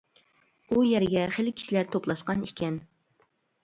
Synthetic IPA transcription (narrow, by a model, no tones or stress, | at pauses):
ujɛɾɪɡʲɛχelɪkʲʰi̥ʃilæɾt̪ʰoplˠɑʃqɑnikʲʰɛn